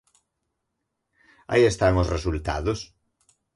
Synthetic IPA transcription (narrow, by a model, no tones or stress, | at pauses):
a̰iest̪aŋosresult̪a̰ðos